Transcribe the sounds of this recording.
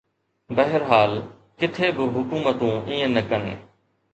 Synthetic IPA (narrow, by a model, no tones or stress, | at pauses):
bəɦəɾɦaːl | kɪt̪ʰeːbɪɦʊkuːmət̪ũːiːẽnəkənḛː